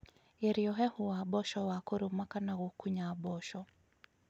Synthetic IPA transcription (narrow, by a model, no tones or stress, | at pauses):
jɛɾiɔɦɛhuwaɓɔʃɔwakuɾumakanaɣukuɲaːɓɔʃɔ